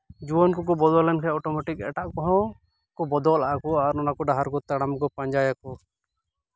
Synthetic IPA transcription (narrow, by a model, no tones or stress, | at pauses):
d͡ʒuwɔnkɔk̬ɔbɔd̪ɔlɛnkʰaɔʈɔmɔʈikɛ̰ʈaʔkɔɦɔ̃ | kɔbɔd̪ɔlaʔakɔaɾɔnakɔɖaɦaɾkɔt̪aɽamkɔpaɲd͡ʒajakɔ